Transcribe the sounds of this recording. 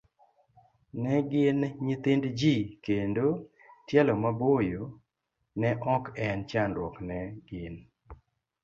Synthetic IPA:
nɛɡɪnɲit̪ɪndd͡ʒikendo | tjɛlɔmabojo | nɛʔɔkɛnt͡ʃandwɔknɛɡ̥ɪn

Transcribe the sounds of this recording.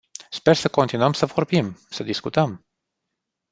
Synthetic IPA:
spe̞rsəko̞nt̪inuəmsəvo̞rbimsəd̪iskut̪əm

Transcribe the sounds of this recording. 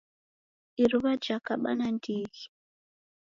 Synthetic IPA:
iɾuβad͡ʒakaɓa̰nandiːɣi

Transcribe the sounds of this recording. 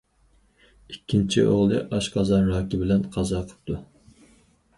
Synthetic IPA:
ikʲʰːint͡ʃʰiʔo̰ʁlˠɨʔɑʃqʰɑzɑnɾɑːkʲibɪlɛnqʰɑzɑqʰə̥p̚t̪ʰu

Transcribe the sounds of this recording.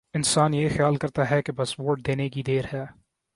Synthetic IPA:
ɪnsaːnjeːxjaːlkɐɾt̪aɦɛkebɐsʋoːɾʈ̚d̪eːnekid̪eːɾɦɛː

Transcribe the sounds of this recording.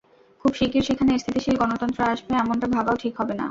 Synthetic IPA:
kʰubʃikiɾʃekʰaneeɾst̪ʰit̪iʃilɡɔnot̪ɔnt̪ɾoaʃbeɛmonʈabʱabaoʈʰikɦɔbena̰

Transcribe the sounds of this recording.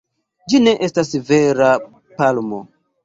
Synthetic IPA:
d͡ʒine̞ʔe̞stasve̞ɾa | palmo̰

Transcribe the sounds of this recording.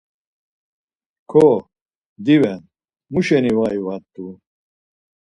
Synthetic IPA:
kʰɔ | d̪ivɛn | muʃɛnivaivat̪ʼːu

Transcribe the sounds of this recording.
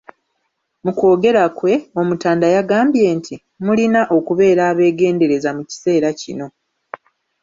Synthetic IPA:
muko̞ːɡe̞ɾakwe̞o̞mutaːndajaɡaːmbje̞ːntʰi | mulinaʔo̞kuβe̞ːɾaːβe̞ːɡe̞ːnde̞ɾe̞zamuci̥se̞ːɾacḭno̞

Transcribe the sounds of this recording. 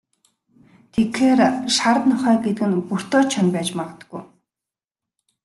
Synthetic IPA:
t̪ʰekxeːrʃaɾət̪nɔχœːɡet̪̆kɘ̆npur̥t̪ɔːt͡ɕʰɔnpæːt͡ɕmaʁə̆t̪ə̥̆ɡuj

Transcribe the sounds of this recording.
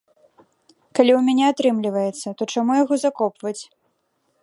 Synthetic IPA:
kalʲiwmʲanʲɛat̪ɾɨmlʲivɐjɛt̪sːɐt̪ɔt͡ʂamujaɣɔzakɔpvɐt͡sʲ

